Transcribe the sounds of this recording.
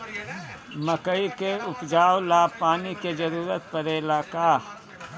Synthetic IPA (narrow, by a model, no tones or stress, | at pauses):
mɐkəikeʊpd͡ʒaːwlaːpaːniked͡ʒɐɾuːɾət̪̚pɐɾeːlaːkaː